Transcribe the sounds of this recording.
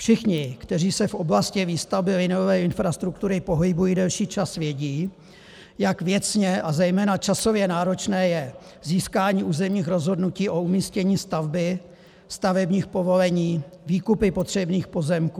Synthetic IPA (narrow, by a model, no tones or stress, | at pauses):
fʃɪxɲɪkt̪ɛriːsɛfʔo̞blascɪviːst̪avbɪvɪnoovɛːɪnfɾast̪ɾuk̚t̪uɾɪpo̞ɦɪbujiːdɛlʃiːt͡ʃasvjɛɟiː | jakvjɛt͡sɲɛʔazɛjmɛːnat͡ʃaso̞vjɛnaːɾo̞t͡ʃnɛːjɛ | ziːskaːɲiːʔuːzɛmɲiːxɾo̞zɦo̞dnuciːʔo̞umiːscɛɲiːst̪avbɪ | st̪avɛbɲiːxpo̞vo̞lɛɲiːviːkupɪpo̞t̪r̝̥ɛbniːxpo̞zɛmkuː